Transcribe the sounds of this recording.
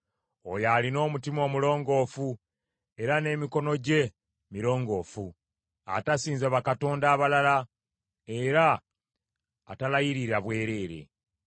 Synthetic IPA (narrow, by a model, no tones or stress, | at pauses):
o̞jaːlino̞ːmutimoːmulo̞ːŋɡo̞fu | e̞ɾane̞ːmiko̞no̞ɟe̞ | miɾo̞ːŋɡo̞ːfu | a̰tasiːnzaβakato̞ːndaːβalala | e̞ɾa | talajiɾiɾaβwe̞ːɾe̞ːɾe̞̰